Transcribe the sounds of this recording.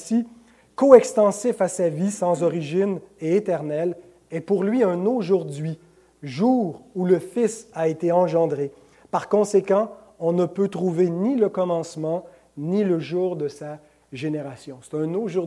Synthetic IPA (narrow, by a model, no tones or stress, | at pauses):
si | koɛkst̪ɑ̃sɪfasavisɑ̃zɔʁiʒɪneet̪ɛʁnɛl | ɛpuʁlɥiɛ̃noʒuʁd̪ɥi | ʒuːʁuləfɪsaet̪eɑ̃ʒɑ̃d̪ʁe | paʁkɔ̃sekɑ̃ | ɔ̃nəpøt̪ʁuveniləkɔmɑ̃smɑ̃ | niləʒuːʁd̪əsa | ʒeneʁasjɔ̃se̥t̪ɛ̃noʒu